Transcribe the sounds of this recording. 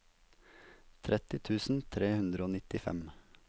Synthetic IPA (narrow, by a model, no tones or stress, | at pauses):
t̪ʰɾʔɛt̪ɪt̪ʰʉːsn̩t̪ʰɾeːhʉnd̪ɾəoːnɪt̪ɪfɛ̰m